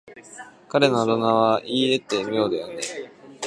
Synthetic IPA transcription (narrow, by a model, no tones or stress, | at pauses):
kaɾe̞noːt̪onaβaʔiːe̞t̪ːe̞mijo̞ːd̪ejane